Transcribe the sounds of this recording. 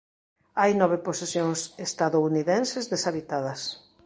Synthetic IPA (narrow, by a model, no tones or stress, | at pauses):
ajnɔβeposesjoŋsest̪aðouniðẽnsezðesaβit̪aðɐs